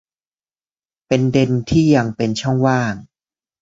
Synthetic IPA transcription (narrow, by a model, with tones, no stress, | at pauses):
pe˧nde˧nt̪ʰiː˥˩ja˧ŋpe˧nt͡ɕʰɔ˥˩ŋwaː˥˩ŋ